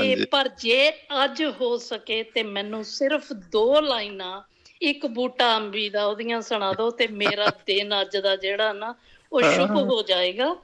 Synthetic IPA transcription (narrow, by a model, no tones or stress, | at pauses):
eːpəɾd͡ʒeːəd͡ʒɦoːsəkeːt̪eːmɛ̃ːnũːsɪɾpʰd̪oːlaːiːnãː | ɪkbuːʈaːəmbiːd̪aːoːd̪ɪjãːsəɽ̃ãːd̪õːt̪eːmeːɾaːd̪ɪnəd͡ʒd̪aːd͡ʒeːɽaːnaː | oːʃʊkɦoːd͡ʒaːeːɡaː